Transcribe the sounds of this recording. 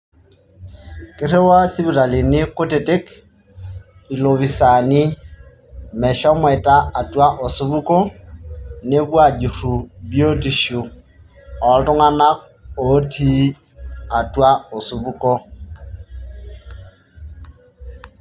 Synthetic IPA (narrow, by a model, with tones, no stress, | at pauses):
ke˦ɾe˦wa˦si˦βu˨ɾa˨li˨ni˦ko˦te˨te˦k | i˨lo˨βi˨sa˨ni˦ | mɛ˨ʃɔ˦mwɛ˨ta˦a˨twa˦ʔo˨su˦βu˦ko˦ | ne˦βwa˦˨d͡ʒu˨ɾu˨bjo˦ti˨ʃu˨ | ɔ˨ltʊ˦ŋa˦na˦k | o˦tʰi˦ | a˨twa˦o˨su˨βu˦ko˦